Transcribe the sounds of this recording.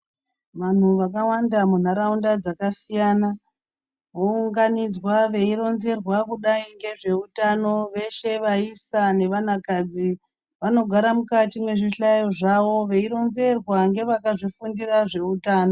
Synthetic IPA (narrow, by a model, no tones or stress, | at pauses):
ʋan̤uʋakawandamun̤aɾaundad͡zakasijaːna | ʋouŋɡanid͡zwaʋe̞iɾo̞nze̞rwakuɗaiŋɡe̞ʐe̞utano̞ʋe̞ʃe̞ʋaisane̞ʋan̤akad͡zi | ʋano̞ɡʱaɾamukatimwe̞ʐiɬajoʐaʋo̞ʋe̞iɾo̞nze̞rwaŋɡe̞ʋakaʐifundiraʐe̞utaːno